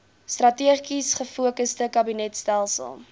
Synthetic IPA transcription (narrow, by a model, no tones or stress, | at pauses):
strɐtiəχisχəfuəkəstəkɐbinɛtstælˠsə̰lˠ